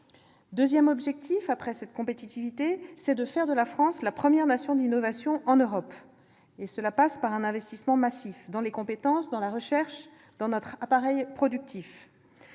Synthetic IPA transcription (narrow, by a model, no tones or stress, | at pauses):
d̪øzjɛmɔbʒɛk̚t̪ʰifapχɛsɛt̪kɔ̃pet̪it̪ivit̪esɛd̪əfɛʁd̪əlafχɑ̃slapχəmjɛʁnasjɔ̃d̪inɔvasjɔ̃ʔɑ̃nøʁɔp | esəlapaspaʁɛ̃nɛ̃vɛst̪ismɑ̃masifd̪ɑ̃lekɔ̃pet̪ɑ̃sd̪ɑ̃laʁəʃɛʁʃ | d̪̥ɑ̃nɔt̪χapaʁɛjpχɔd̪yk̚t̪if